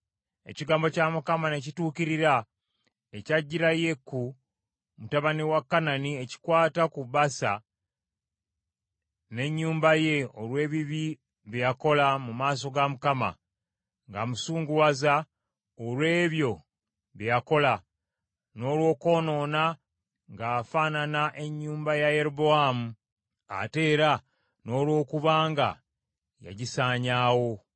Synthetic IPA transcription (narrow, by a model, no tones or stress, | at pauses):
e̞̰ciɡaːmbo̞camukamane̞cituːkiɾiɾa | ecaɟːiɾaje̞ku | mutaβaniwakːananie̞ci̥kwaːtakuβasa̰ | ne̞ɲːuːmbaje̞olwe̞ːβiβi | βjjako̞lamumaːs̬o̞ɡamukama̰ | ŋɡamusuːŋɡuwaza | olwe̞ːβjo̞ | βejako̞la | no̞ːlwo̞ːko̞ːno̞na | ŋɡaːfaːnanaʔe̞ɲːuːmbajajeɾuboamu | a̰te̞ːɾa | no̞ːlwo̞ːkuβaːŋɡa̰ | ja̰ɟisaːɲaːwo̞